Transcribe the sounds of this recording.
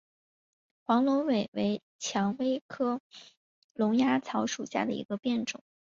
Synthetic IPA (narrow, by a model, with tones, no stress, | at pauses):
xwɑ˧˥ŋlʊ˧˥ŋwe˨˩ɪwe˧˥ɪ | t͡ɕʰjɑ˧˥ŋwe˥ɪkʰɤ˥ | lʊ˧˥ŋja˥t͡sʰɑ˧˥ʊʂu˨˩ɕja̰˥˩d̪ə˩ḭ˧˥ɡə˧pjɛ˥˩nʈ͡ʂʊ̰˨˩˦